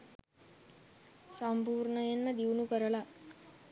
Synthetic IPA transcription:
sampuːɾɳəjenməd̪iʋnukəɾəla

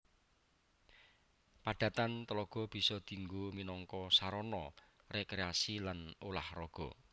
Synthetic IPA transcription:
pad̥a̤t̪ant̪əlɔɡ̥ɔ̤b̥i̤sɔd̪̥i̤ŋɡominɔŋkɔsaɾɔnɔ | rekɾeasilanolahrɔɡ̥ɔ̤

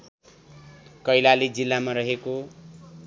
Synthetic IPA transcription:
kʌjlalid͡zilːamaɾʌɦeko

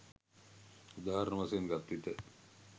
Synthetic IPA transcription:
ud̪aːɦɐɾnəʋaseŋɡat̪ːʋit̪ə

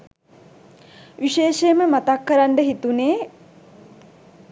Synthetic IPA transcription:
ʋiʃeːʃeməmat̪akːəɾaɳɖəɦit̪uneː

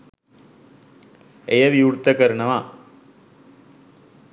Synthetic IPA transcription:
ejɐʋiuɽt̪ːɐkɐɾnɐʋaː

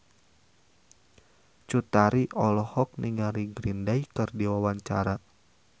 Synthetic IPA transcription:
t͡ʃut̪aɾiʔɔlɔhɔk̚niŋaɾiɡɾindajkɨrdiwawaɲt͡ʃa̰ɾa

